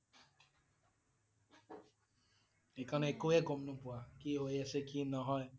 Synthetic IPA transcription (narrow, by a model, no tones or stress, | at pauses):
ekɔnekojeɡom̩nupuakiɦoeesekinɔɦɔje